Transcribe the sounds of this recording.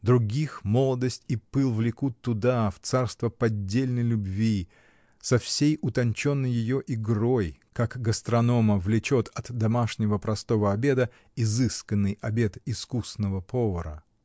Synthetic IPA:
d̪ɾʊɡʲixmo̞lˠəd̪əsʲtʲipɨlˠvlʲɪkut̪ːʊd̪aft̪sarst̪vəpɐdʲːelʲnəjlʲʊbvʲi | sɐfsʲejʊt̪ɐnʲt͡ɕo̞nːəjːɪjo̞ʔɪɡrojkakɡəst̪ɾɐno̞məvlʲɪt͡ɕot̪ʰɐt̪d̪ɐmaʂnʲɪvəpɾɐst̪o̞vəɐbʲe̞d̪ə | ɪzɨskənːɨjɐbʲe̞t̪ɪskusnəvəpʰovəɾə̰

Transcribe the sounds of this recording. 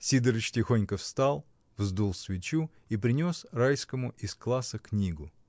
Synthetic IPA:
sʲid̪əɾɨt͡ɕtʲɪxonʲkəfst̪alˠ | vzd̪ulˠsvʲɪt͡ɕu | ipɾʲɪnʲo̞srajskəmʊʔɪsklˠasəknʲiɡʊ

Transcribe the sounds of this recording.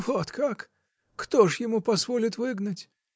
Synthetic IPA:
vɔt̪kakː | t̪ɔʐjɪmupɐzvɔlʲit̪vɨɡnɐtʲ

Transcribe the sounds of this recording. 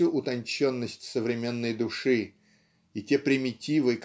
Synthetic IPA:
uʔʊt̪ɐnʲt͡ɕo̞nːəsʲtʲsəvɾʲɪmʲe̞nːəjd̪ʊʂɨ | ɪtʲepɾʲɪmʲɪtʲivɨk

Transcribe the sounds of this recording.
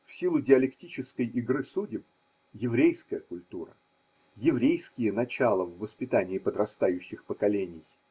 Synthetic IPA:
fsʲilˠʊdʲɪɐlʲɪktʲit͡ɕɪskəjʔɪɡɾɨsudʲɪp̚ | jɪvɾʲejskəjəkʊlʲt̪uɾə̰ | jɪvɾʲejskʲɪjənɐt͡ɕalˠəvːəspʲɪt̪anʲɪːpəd̪ɾɐst̪ajʉɕːɪxpəkɐlʲenʲɪj

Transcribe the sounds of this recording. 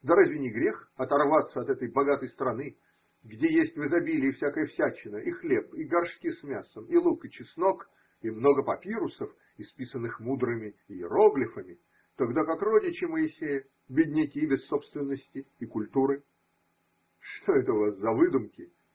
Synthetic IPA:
d̪ɐɾazʲvʲɪnʲɪɡɾʲe̞xɐt̪ɐrvat̪sːəɐt̪ɛt̪əjbɐɡat̪əjst̪ɾɐnɨ | ɡdʲejesʲtʲvɨzɐbʲilʲɪːfsʲakəjəfsʲæt͡ɕːɪnəʔixlʲepɪɡɐrʂkʲismʲasəmɪlˠukɪt͡ɕɪsnok | imno̞ɡəpɐpʲiɾʊsəf | ɪspʲisənːɨxmud̪ɾɨmʲɪɪɪ̰ɾoɡlʲɪfəmʲɪ | t̪oɡd̪akakrodʲɪt͡ɕɪməjɪsʲejə | bʲɪdʲnʲɪkʲibʲɪsːo̞pst̪vʲɪnːəsʲtʲɪːkʊlʲt̪uɾɨ | ʂt̪o̞ɛt̪əʊvaszɐvɨd̪ʊmkʲɪ

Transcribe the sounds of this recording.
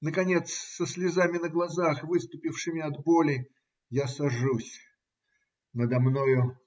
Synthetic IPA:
nəkɐnʲe̞t̪ssəsʲlʲɪzamʲɪnəɡlˠɐzaxvɨst̪ʊpʲɪfʂɨmʲɪɐd̪bo̞lʲɪ | jasɐʐusʲ | nəd̪ɐmnojʊ

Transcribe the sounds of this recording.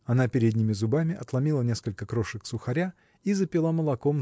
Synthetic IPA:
ɐnapʲɪɾʲed̪ʲnʲɪmʲɪzʊbamʲɪʔɐt̪lˠɐmʲilˠənʲe̞skəlʲkəkɾoʂɨksʊxɐɾʲa | izəpʲɪlˠaməlˠɐkom

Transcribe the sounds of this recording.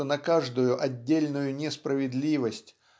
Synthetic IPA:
ənɐkaʐd̪ʊjʊʔɐdʲːelʲnʊjʊnʲɪspɾəvʲɪd̪lʲivəsʲtʲ

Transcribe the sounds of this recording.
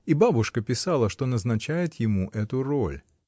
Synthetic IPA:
ibabʊʂkəpʲɪsɑlˠəʂt̪o̞nəznɐt͡ɕæjɪt̪jɪmuʔɛt̪ʊro̰lʲ

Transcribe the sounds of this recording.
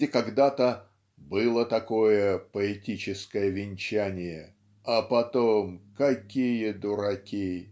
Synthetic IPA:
ɪkɐɡd̪at̪ə | bɨlˠət̪ɐko̞jəpəɪtʲit͡ɕɪskəjəvʲɪnʲt͡ɕænʲɪjə | ɐpɐt̪omkɐkʲijəd̪ʊɾɐkʲi

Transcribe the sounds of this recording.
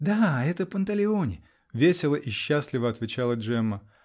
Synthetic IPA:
d̪aɛt̪əpənt̪əlʲɪo̞nʲɪ | vʲesʲɪlˠəʔiɕːaslʲɪvəɐt̪vʲɪt͡ɕalˠəʐɛmːə

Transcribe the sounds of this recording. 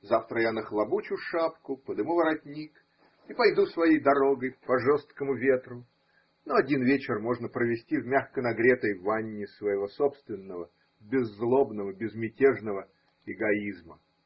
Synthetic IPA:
zaft̪ɾəjanəxlˠɐbut͡ɕʊʂapkʊpəd̪ɨmuvəɾɐt̪ʲnʲik | ipɐjd̪usvɐjejd̪ɐɾoɡəjpɐʐost̪̚kəmʊvʲe̞t̪ɾʊ | noɐdʲinvʲet͡ɕɪrmo̞ʐnəpɾəvʲɪsʲtʲivmʲaxkənɐɡɾʲet̪əjvanʲːɪsvəjɪvo̞sopst̪vʲɪnːəvə | bʲɪzːlˠobnəvəbʲɪzmʲɪtʲeʐnəvə | ɪɡɐizmə

